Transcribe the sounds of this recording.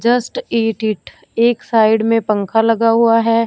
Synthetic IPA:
d͡ʒəsʈeːʈɪʈʰ | eːksaːɪɽmẽpɐ̃ŋkʰalɐɡaɦuaɦɛː

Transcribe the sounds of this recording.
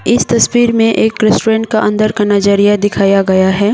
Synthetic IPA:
ɪst̪ɐswiːɾmẽʔeːkːɾɛsʈoɾɛ̃ːɳʈ̚kaʔɐ̃nd̪əɾkɐnad͡ʒaɾijad̪ɪkʰaːjaɡɐjaɦɛː

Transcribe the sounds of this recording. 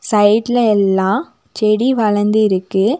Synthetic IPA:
sɐɪʈlɐɛlːãː | t͡ʃɛɽiʋɐɭɐɾnd̪ɯɪɾɯkːɯ

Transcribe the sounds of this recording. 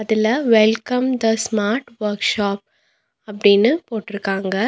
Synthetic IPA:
ɐðɪlɐʋɛlkɐmd̪ɐsmaːɾʈʋɐɾkʂaːp̚ | ɐpːɐɽɪnːɯpoːʈːɪɾɯkːaːŋɡɐ

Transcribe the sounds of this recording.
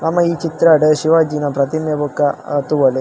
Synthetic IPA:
ɐmːɐiːt͡ʃit̪ɾɐɖeʃiʋaːd͡ʒinɐpɾɐt̪injɐbukːɐt̪uʋɐle

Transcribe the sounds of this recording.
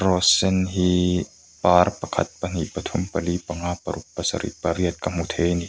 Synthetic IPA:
ɾɔsenɦi | paːrpakʰa̰t̪̚pan̥iʔpat̪ʰumpalipaŋaːpaɾʔuk̚pːasa̰ɾʔḭpaɾiət̪̚kamut̪ʰeːni

